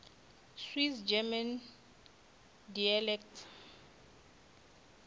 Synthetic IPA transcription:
swisd͡ʒɛman | dialɛktʰ

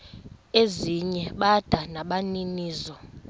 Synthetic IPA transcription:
eziɲɛɓad̥ʱanaɓaniniːzɔ

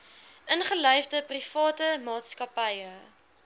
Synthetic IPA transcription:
ʔənχəlœjfdəprifɑːtəmɑːtskɐpɛjə

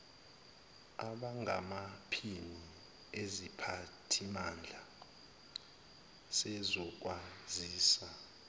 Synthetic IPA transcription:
a̰ɓaŋamapʰini | ezipʰatʰimand͡ɮʱa | sɛzɔk̬waziːsa

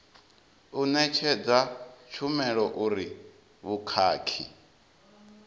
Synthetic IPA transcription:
unɛt͡ʃʰɛd͡zat͡ʃʰumɛɺɔʔuɾi | βukʰaːkʰi

